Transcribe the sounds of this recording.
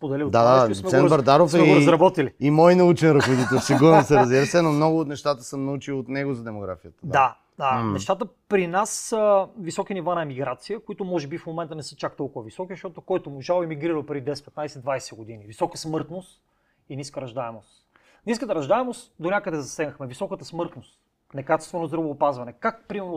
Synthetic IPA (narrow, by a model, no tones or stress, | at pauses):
spod̪ɛlid̪ad̪assmɛɛnbɐɾd̪aɾofsɛɡoɾɐzzɾɐbɔt̪iliimɔjnɐut͡ʃɛnɾɐzxod̪it̪ɛlˠsiɡuɾnosɛɾɐzbiɾəsɛnomnɔɡʊːt̪nɛʃt̪at̪əsəmnɐut͡ʃilˠot̪nɛɡozɐd̪ɛmoɡɾa̰fijət̪ədd̪a | d̪anɛʃt̪at̪əpɾinasəvisɔkinivanɐɛmiɡɾat̪sijəkoit̪ʊmɔʒɛbifmomɛnt̪ənɛsɛt͡ʃak̚t̪ɔlˠkʊvɐvisɔkizʃt̪ɔt̪okɔjt̪omʊʒalˠɛmiɡɾiɾəlˠpɾɛd̪id̪ɛspɛt̪najsɛd̪vajsɛɡod̪inivisɔkəsmɤɾt̪nost̪ | iniskəɾɐʒd̪aɛmost̪ | niskət̪əɾɐʒd̪aɛmost̪d̪onʲakəd̪ɛzɐsɛɡnəxmɛvisɔkət̪əsmɤɾt̪nost̪ | nɛkat͡ʃɛst̪vɛnozd̪ɾɐvoːpazvɐnɛkak̚pɾimɛɾno